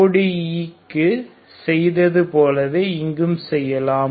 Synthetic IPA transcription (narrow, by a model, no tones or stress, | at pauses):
ɽiiːkːɯ | sɛjðɐðɯpoːlɐðeɪŋɡɯmsɛjːɐlaː